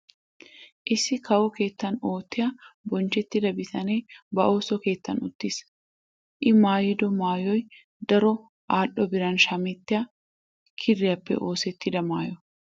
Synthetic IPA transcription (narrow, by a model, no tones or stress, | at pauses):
ʔɪsːɪkʰɐwɔke̞ːt̪ːɐnoːt̪ːɪjɐbɔnt͡ʃɛt̪ːɪd̪ɐbɪt̪ɐneːbɐʔo̞ːsɔke̞ːt̪ːɐnʊ̰t̪ːis | ʔɪmaːjɪd̪ɔmaːjɔj | d̪ɐɾɔ | ʔaːʔɔbɪɾɐnʃɐmɛt̪ːɪjɐ | kʰɪrːɪjɐpːɛ̰ʔo̞ːsɛt̪ːɪd̪ɐmaːjɔ